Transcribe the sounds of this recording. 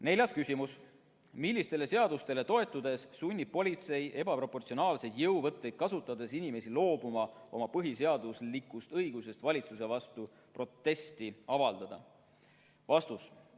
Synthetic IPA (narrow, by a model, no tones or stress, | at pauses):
ne̞lʲjɑskysʲimus | milːist̪e̞le̞se̞ɑd̪ust̪e̞le̞t̪o̞e̞t̪ːˑud̪e̞ssunʲːi̥po̞lʲit̪se̞jʔe̞bɑpro̞pːort̪sio̞nɑːlse̞jd̪̥jɤwvɤt̪ːˑe̞jd̪̥̚kɑsut̪ːˑɑd̪̥e̞sinʲime̞silo̞ːbumɑo̞mɑpɤɦise̞ɑd̪uslikˑːust̪ɤjɡuse̞st̪vɑlʲit̪sus̬e̞vɑst̪u | pro̞t̪ːe̞st̪iɑvɑld̪̥ɑd̪̥ɑ̰ | vɑst̪us